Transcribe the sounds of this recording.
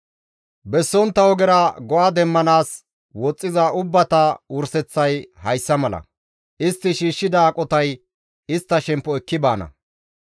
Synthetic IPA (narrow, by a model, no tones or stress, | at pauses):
bɛsːɔnt̪ːɐwɔɡɛɾɐɡɔʔaːd̪ɛmːɐnaːs | wɔt͡sʼːɪzɐʔʊbːɐt̪ɐʊɾsɛt͡sːɐjhɐjsːɐmɐlɐ̰ | ɪst̪ːɪʃiːʃːɪd̪ɐːkʼɔt̪ɐj | ɪst̪ːɐʃɛmpːɔɛkːɪbaːnɐ̰